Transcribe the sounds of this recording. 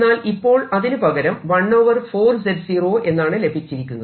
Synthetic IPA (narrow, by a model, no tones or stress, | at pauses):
aːlipːo̞ːɭɐðinɨpɐɣɐɾɐmʋɐɳːoːʋɐrfo̞ːrseɖsiːroːʔe̞nːaːɳɨle̞bʱit͡ɕːiɾikʲːunːɐ